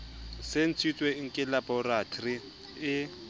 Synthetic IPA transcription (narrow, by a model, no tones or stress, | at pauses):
sen̩t͡sʰit͡sʼweŋ̩kʼɪlabɔratʰri | ɪ